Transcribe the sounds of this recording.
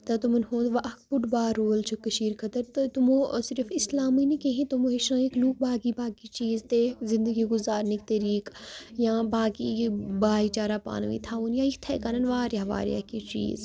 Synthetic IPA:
t̪ɐt̪umɐnhõːt̪ʋaʔɐk̚pʊʈbaːɾoːlt͡ʃʰukɐʃiːɾkʰɐt̪ɐɾt̪t̪umõːsɪɾəfɪslaːminikeɦĩt̪umõːɦeʃãːekluːk̚baːɡibaːɡit͡ʃiːzt̪ezɪ̃nd̪əɡiɡʊzaːɾnik̚t̪ɐɾiːkjãːbaːkibaːit͡ʃaːɾaːpa̰ːnʋḭːt̪ʰaːuːnjãːikt̪ʰɛ̰ːkaːnɐnʋaːɾjɦɐʋa̰ːɾḭa̰kit͡ʃḭːz

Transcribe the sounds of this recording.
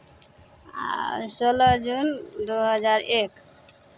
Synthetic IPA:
solɔd͡ʒund̪uɦɔzaɹek

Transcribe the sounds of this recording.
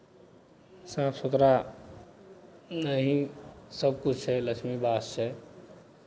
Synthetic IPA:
saːpʰsut̪ɾa | nəɦĩsəb̚kut͡ʃʰɛləkʃmibaːsse

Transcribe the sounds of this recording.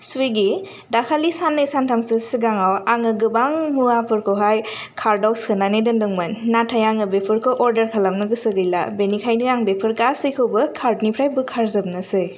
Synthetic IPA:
suiɡi | dakʰalisanːɯsantʰamsɯsiɡaŋawaŋɯɡɯbaŋmuapʰɯɾkʰɯwɦaj | kʰaɾdawsɯnanedɯndɯŋmɯnːatʰajaŋɯbepʰɯɾkʰoʔɔɾdɐɾkʰalamnɯɡɯsɯɡɯjla̰benikʰajniŋaŋbepʰɯɾɡasɯjkʰɯwbɐkʰaɾdnipʰɾajbukʰaɾzɯb̚nasɯj

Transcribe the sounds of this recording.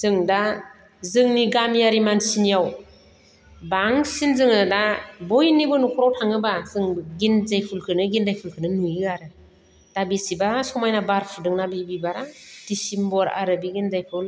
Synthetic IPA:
z̥ɯŋda | zɯŋniɡamjaɾimansinijaw | baŋsinzɯŋɯdabɔjnibɔnukʰɔɾawtʰaŋɯbazɯŋɡinzajpʰulkʰɯnɯɡindajpʰulkʰɯnɯnujiaɾɯ | d̥abisibasɔmajnabaɾpʰudɯŋnabibibaɾad̥isimbɔɾa̰ɾɯbiɡinzajpʰul

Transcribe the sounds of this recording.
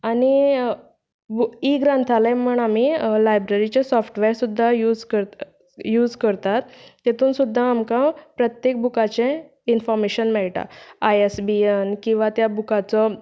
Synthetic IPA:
ani | biɡɾãnt̪ʰalajməɳam̤ilajbɾeɾit͡ɕesɔfʈʋeɾsud̪ʱːajud͡zkə | juːd͡zkəɾt̪at̪jet̪ʰuːnsud̪ʱːaːmkãpɾət̪jek̚bukat͡ɕẽ | infɔɾmeɕənmɛɭʈa̰ajesbienkĩw̃ʋat̪jabukat͡sɔ

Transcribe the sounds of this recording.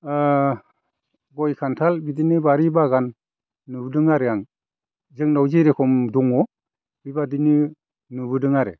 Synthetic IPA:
ɡɔjkʰantʰalbidinɯbaɾibaɡanː | ɯbdɯŋaɾeaŋ | zɯŋnawziɾekʰɔmduŋɔ | bibadini | nɯbɯdɯŋaɾe

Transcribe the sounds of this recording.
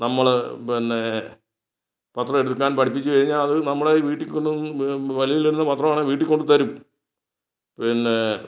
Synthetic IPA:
nɐmːɐɭpinːe | pɐt̪rɐmeɽukːaːnpɐʈʰip̬ːit͡ɕːukɐɻiɲːalɐðɨnɐmːuɭeiʋiːʈːikːoɳuʋɐlijiliɾunːɐpɐt̪ːrɐmaːɳɨʋiːʈːikːo̞ɳɖɨt̪ɐɾum | pinːe

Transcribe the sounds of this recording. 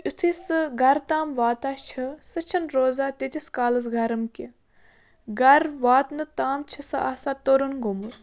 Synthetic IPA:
ut̪ʰisɨɡɐɾt̪aːmʋaːt̪at͡ʃʰɐsɨt͡ʃʰɐnɾoːzaːt̪it̪iskaːlɐs̬ɡɐɾɐmkʲi | ɡɐɾʋaːt̪nɨt̪aːmt͡ʃʰɐsɨaːsat̪oɾunɡomu

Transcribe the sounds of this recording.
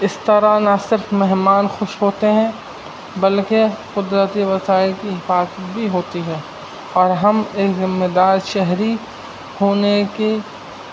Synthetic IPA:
ɪst̪əɾanasɪɾfmɛɦmaːnxʊʃɦoːt̪eɦɛ̃ | bɐlkeqʊd̪ɾət̪iʋɐsaːɪlkiɦɪfaːzət̪̚bʱiɦoːt̪iɦɛː | ɔːɾɦɐmeːkzɪmːed̪aːɾʃɛɦɾi | hoːneke

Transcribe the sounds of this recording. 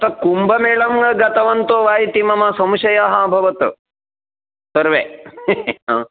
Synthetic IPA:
t̪ɐkumbɐmeːɭɐmɡɐɡɐt̪ɐʋɐnt̪oːʋaːjit̪imɐmɐsɐmʃɐjɐɦabʱɐʋɐt̪ | sɐɾʋeː | aː

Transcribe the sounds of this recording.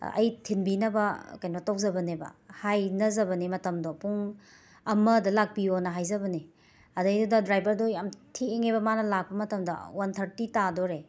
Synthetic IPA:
ɐ̰jtʰinbinɐbɐkajnotowk̚zɐbɐnebɐ̰hajnɐzɐbɐnimɐtɐmdopuŋ | ɐmɐdɐlak̚pionɐɦajzɐbɐni | ɐdajdudɐdɾajbɐɾdojamtʰieŋebɐmanɐlak̚pɐmɐtɐmdɐ̰wantʰɐɾtitadoɾe

